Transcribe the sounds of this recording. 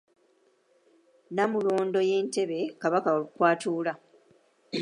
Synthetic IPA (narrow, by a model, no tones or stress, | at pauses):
namulo̞ːndo̞je̞ːnte̞βe̞kaβakakwaːtʰuːla